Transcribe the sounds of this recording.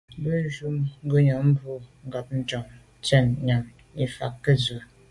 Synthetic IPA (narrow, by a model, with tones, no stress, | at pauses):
bə˦n˦ʒu˦mŋ̩˦ɡə˦ɲɔ˨m̩˦bu˦ŋ̩˦ɡa˨p̚n̩˦d͡ʒɔ˨ŋ | tɛ˦˨nɲa˨m | i˨fa̰˨kːə˦zə˨